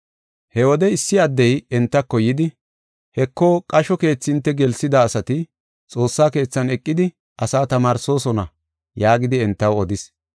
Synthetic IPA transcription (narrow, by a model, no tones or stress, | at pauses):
hɛwɔd̪ɛɪsːɪɐd̪ːɛjɛnt̪ːɐkːɔjːɪd̪ɪ | hɛkːɔkʼɐʃɔke̞ːt͡sːɪnt̪ːɛɡɛlsɪd̪aːsɐt̪ɪ | t͡sʼo̞ːsːaːke̞ːt͡sːɐnɛkʼːɪd̪ɪ | ʔɐsaːt̪ɐmaːɾso̞ːsɔnɐ | jaːɡɪd̪ɪɛnt̪ːɐwɔd̪ɪs